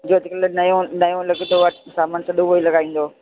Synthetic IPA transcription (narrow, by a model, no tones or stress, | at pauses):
d͡ʑoːɐt̪ɪklnɐjõnɐjõlɐɡt̪oʋəʈsaːmənɪsɐɗõʋoilɐɡaːĩːn̆d̪oː